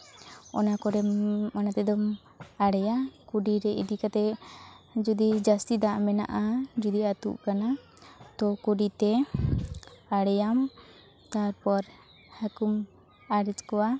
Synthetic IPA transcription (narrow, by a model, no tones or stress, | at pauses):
ɔ̰nakɔɾɛanat̪ɛd̪ɔm | aɽɛjakuɖiɾɛʔḭd̪ikat̪ɛ | d͡ʒud̪id͡ʒast̪id̪aʔmɛna̰ʔad͡ʒud̪iat̪ṵʔkana | t̪ɔkuɖit̪ɛ | aɽɛjam | t̪aɾpɔɾ | hakum | aɽɛt͡ʃkɔwa